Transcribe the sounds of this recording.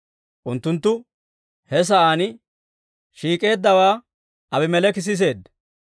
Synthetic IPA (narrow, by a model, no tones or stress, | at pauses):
ʔʊnt̪ːʊnt̪ːʊ | hɛs̬ɐʔaːnɪ | ʃiːkʼe̞ːd̪ːɐwaː | ɐbɪmɛlɛkɪs̬ɪs̬e̞ːd̪ːɐ